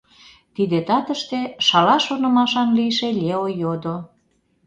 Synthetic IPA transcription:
t̪id̪et̪ɑt̪əʃt̪eʃɑlɑʃonə̆mɑʃɑnlijʃelʲeojod̪o

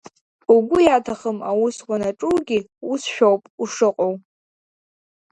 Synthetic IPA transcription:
uɡʷʊjatʰaχəmawʊswʷanaʈ͡ʂʼuɡʲi | usʃᶣowpʼuʂɨqʼow

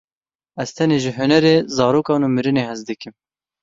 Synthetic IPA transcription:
ɛzt̪ʰɛneːʒɪɦʊnɛɾeːzɑːɾoːkɑːnuːmɨɾɨneːhɛzd̪ɨkɪm

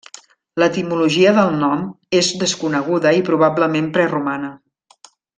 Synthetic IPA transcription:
lət̪imuluʒiəðəlˠnɔm | ezðəskunəɣ̞uðəipɾuβ̞abləmempɾɛrumanə

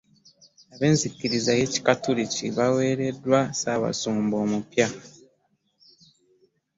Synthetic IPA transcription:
aβe̞ːnzikːiɾizaje̞ci̥katuɾiciβawe̞ːɾe̞dːwasaːβa̰suːmbo̞ːmupja

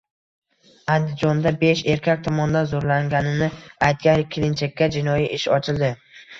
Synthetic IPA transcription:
and̪ɪd͡ʒɒnd̪abe̞ʃe̞ɾkʲak̚ʲt̪ʰɒmɒnd̪anzoɾlaŋɡʲanɪnɪajt̪̚ɡʲanɪkʲʰːɪlɪnt͡ʃʰakʲːad͡ʒɪnɒjiʔɪʃɒt͡ʃʰɪld̪ɪ

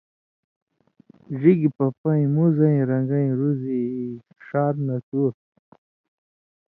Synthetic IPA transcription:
ʐiɡipapaĩmuzaĩɾɐŋɡaĩɾuzi | ʂaːɾnɐt̪uːɾ

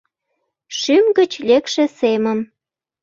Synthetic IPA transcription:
ʃymɡət͡ɕlekʃĕseməm

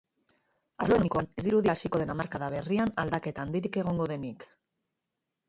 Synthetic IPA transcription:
aɾlo̞nikoane̞zd̪iɾuðiasiko̞ð̞e̞namaɾkaðaβ̞e̞rianald̪ake̞t̪aːnd̪iɾike̞ɣ̞o̞ŋɡo̞ðe̞nik

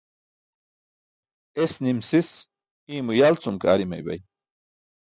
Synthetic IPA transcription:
esnimsis | iːmujalt͡sumka̰ːɾima̰jba̰j

